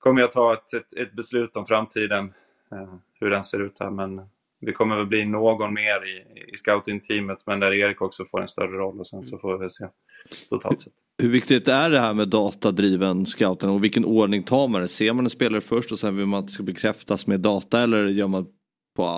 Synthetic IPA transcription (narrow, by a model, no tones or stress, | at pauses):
kʰɔmːəjat̪ʰːɑːɛt̪ɛt̪ɛt̪̚bɛslʉ̟ːt̪ɔmfɾamt̪ʰiːd̪ən | hɵɖɛnseːɾʉ̟ːt̪hæ̰ɾmɛn | vɪkʰɔmːəɾvɛlbliːnoːɡɔnmeːɾɪɪ̰skaʊt̪ɪnt̪ʰiːmət̪mɛnd̪æɾeːɾɪkɔksɔfoːɾɛ̰nst̪œ̰ɾəɾɔlːɔsɛnsɔfoːvɪvɛlseː | t̪ʰʊt̪ʰɑ̰lsɛt̪ːhɵvɪkt̪ɪt̪æɖɛɦæːɾmeːd̪ɑːt̪ad̪ɾiːvənskaʊt̪ənɔvɪlkənʔoːɖɳɪŋt̪ʰɑːɾmand̪ɛseːɾmanɛnspeːlaɾɛfœʂʈɔsɛnvɪlmanat̪ɛskabɛkʰɾɛft̪asmeːd̪ːɑːt̪aɛlːəɾjœːɾman | pʰɔ